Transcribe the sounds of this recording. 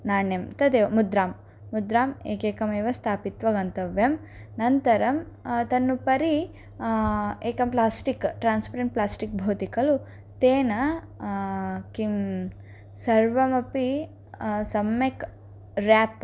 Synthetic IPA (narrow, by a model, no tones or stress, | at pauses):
naːɳjɐmt̪ɐd̪eːʋɐmud̪ɾaːmː | ud̪ɾaːmḛːkeːkɐmeːʋɐst̪ʰaːpit̪ʋɐɡɐnt̪ɐʋjɐm | nɐnt̪ɐɾɐm | t̪ɐnːupɐɾi | eːkɐmplaːsʈikʈɾaːnspɐɾeɳʈ̚plaːsʈik̚bʱoːt̪ikɐlu | t̪eːnɐ | kim | sɐɾʋɐmɐpi | sɐmːek | ɾaːp